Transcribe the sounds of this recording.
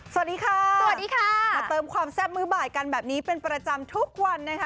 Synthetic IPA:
so˩a˩t̚diː˧kʰaː˧˥˧a˩diː˧kʰaː˥maː˧t̪ɤː˧mkʰwaː˧msɛː˥˩p̚mɯː˦˥baː˨˩jka˧nbɛː˨˩p̚niː˦˥pe˧npɾa˧t͡ɕa˧mt̪ʰu˦˥k̚wa˧nːa˦˥kʰa˦

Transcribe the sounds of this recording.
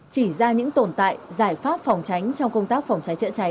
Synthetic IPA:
t͡ɕi˧˩zaː˧ɲɨ̰˧˥ŋt̪o˨˩nt̪a̰ː˧˨jzaː˧˩jfaː˦˥p̚fɔ˨˩wŋ͡mt͡ɕa˨˦jŋ̟t͡ɕɔ˧wŋ͡mkə˧wŋ͡mt̪aː˦˥k̚fɔ˨˩wŋ͡mt͡ɕa˨˦jt͡ɕə̰˧˥t͡ɕa˨˦

